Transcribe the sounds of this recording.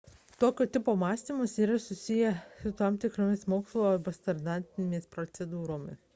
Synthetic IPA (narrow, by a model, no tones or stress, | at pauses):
t̪oːkʲoːt̪ʲɪpoːmɑːsʲt̪ʲiːmɐsiːɾɐsʊsʲɪjɛsʊt̪ɑmt̪ʲɪkɾoːmʲɪsmoːkslˠoːbɐst̪ɐɾd̪ɑnʲt̪ʲɪnʲmʲeːspɾot̪sʲɛd̪uːɾoːmʲɪ̰